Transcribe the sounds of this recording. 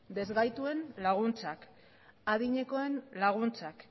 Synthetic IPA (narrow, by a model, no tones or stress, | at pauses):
d̪e̞zɣajt̪ue̞nlaɣ̞unt͡sak | aðiɲe̞ko̞e̞nlaɣ̞unt͡sak